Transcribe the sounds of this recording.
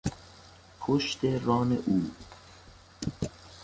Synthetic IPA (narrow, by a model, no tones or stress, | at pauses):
kʰoʃt̪erɑːneʔuː